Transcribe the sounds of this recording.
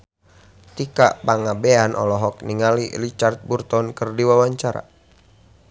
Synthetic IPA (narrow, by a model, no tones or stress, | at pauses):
t̪ika̰ʔpaŋabeanʔɔ̰lɔɦɔk̚niŋalilit͡ʃart̪̚burt̪ɔnkərdiwawaɲt͡ʃaɾa̰